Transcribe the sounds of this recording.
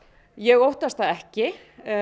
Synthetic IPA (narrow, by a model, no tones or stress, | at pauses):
jɛɣowht̪ast̪θaðɛhcɪ